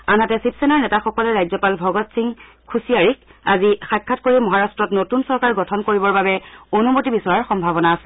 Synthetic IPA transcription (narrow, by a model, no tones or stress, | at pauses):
anɦatɛsipsenaɹnɛtaxɔkɔlɛɹajzɔpalbʱɔɡɔtsiŋ | kʰusijaɹikazixakʰːatkoɹimɔɦaɹastɹɔtnotunsɔɹkaɹɡɔtʰɔnkoɹibɔɹbabɛonumotibisɔɹaɹxɔmbʱabɔnaːsɛ